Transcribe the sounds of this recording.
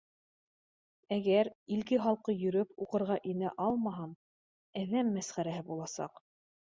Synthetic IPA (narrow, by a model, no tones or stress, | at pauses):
æɡæɾilkɘχɑlˠqɤjɵ̆ɾɵpuqɤ̆ɾʁɑʔinæʔɑlˠmɑɦɑm | æðæmːæsχæɾæɦɘbulˠɑsɑ̰q